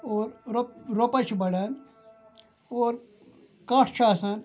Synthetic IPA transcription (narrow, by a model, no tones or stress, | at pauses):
oːɾɾoɾopat͡ʃʰibɐɽan | oːɾ | kaʈʰt͡ʃʰaːsan